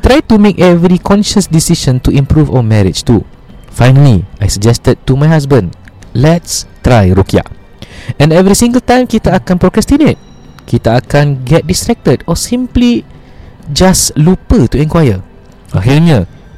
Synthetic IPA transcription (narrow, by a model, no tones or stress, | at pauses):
t̪ɾajtumekɛvɹikʰɔ̃nʃəsdisiʃə̃ntuĩmpɾuvawəmɛɹɪ̰d͡ʒtu | fajnəliajsəd͡ʒɛstəd̚tumajhas̬bə̃nlɛtstɹajɹukia̰ʔ | ɛ̃nɛvɾisĩŋɡəltãj̃mkitaakãnpɹɔkɾɛstinet̚ | kit̪əakãnɡɛt̚distɹɛk̚tədɔsĩmpli | d͡ʒaslupətuɛ̃nkwajə | aɦiɲə